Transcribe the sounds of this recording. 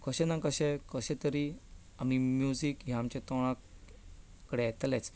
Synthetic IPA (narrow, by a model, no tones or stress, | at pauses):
kəɕɛ̃nãkəɕɛkəɕɛ̃t̪əɾi | am̤imjud͡zikɦjaamt͡ɕat̪ɔɽ̃ãk | kːəɽeɛt̪let͡s